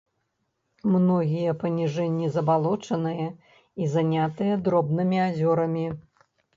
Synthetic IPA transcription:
mnɔɣʲijɐpɐnʲiʐɛnʲːizɐbalˠɔt͡ʂɐnɨjɐ | izanʲat̪ɨjɐd̪ɾɔbnɨmʲiazʲɔɾɐmʲi

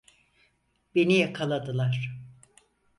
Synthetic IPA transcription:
b̥e̞nijakʰalˠad̪ɯlˠaɾ̥

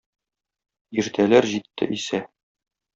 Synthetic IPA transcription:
iɾt̪ʰælæɾʑit̪ːɘ̰ʔisæ

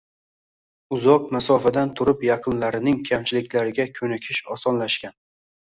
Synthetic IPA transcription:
ʊzɒq̚masɒfad̪ant̪ʰʊɾɪpjɑqʰɨnlaɾɪnɪŋkʲʰamt͡ʃʰɪlɪkʲlaɾɪɡʲakʲʰɵnɪkʲʰɪʃɒsɒnlaʃkʲan

